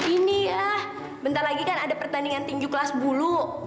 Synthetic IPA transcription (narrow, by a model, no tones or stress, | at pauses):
iniah | bənt̪arlaɡikanadapərt̪andiŋant̪iɲd͡ʒukəlasbulu